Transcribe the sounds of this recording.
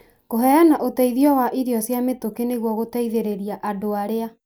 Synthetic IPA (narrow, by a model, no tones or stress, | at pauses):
koɦɛanaʔotɛiðiɔwaʔiɾiɔsjametokeneɣwɔɣotɛiðeɾeɾiaʔadoaɾea